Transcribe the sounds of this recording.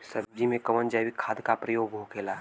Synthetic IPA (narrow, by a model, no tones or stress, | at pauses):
səbd͡ʒimẽkɐʋənd͡ʒaʋikʰaːd̪kapɾəjoːɡɦokʰeːla